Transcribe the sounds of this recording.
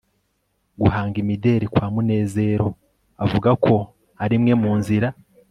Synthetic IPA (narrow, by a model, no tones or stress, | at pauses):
ɡuɦaːŋɡimide̞ɾikwaːmune̞ːze̞ːɾo̞ | avuɡakʰo̞ | aɾimŋe̞muːnziɾa